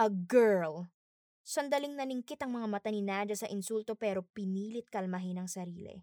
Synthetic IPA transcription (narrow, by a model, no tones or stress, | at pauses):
ʔɐɡɛɹl | sɐnd̪ɐlɪŋnɐlɪŋkɪt̪ɐŋmɐŋamɐt̪ɐnɪnaːd͡ʒɐsɐʔɪnsult̪o̞pɛːɾo̞pɪniːlɪt̪̚kɐlmɐɦɪnɐŋsɐɾiːlɛ̰